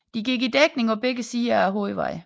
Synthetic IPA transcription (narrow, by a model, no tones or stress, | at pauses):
d̥iɡiɡ̥id̥eɡ̥ne̝ŋɒ̽b̥eɡ̥əsiːɐæɦo̰iʋɑ̰̈ɪ̰